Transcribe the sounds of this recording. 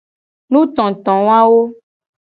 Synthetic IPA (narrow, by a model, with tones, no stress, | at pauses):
nũ˦t̪ɔ̃˨t̪ɔ̃˨wa˦wo˦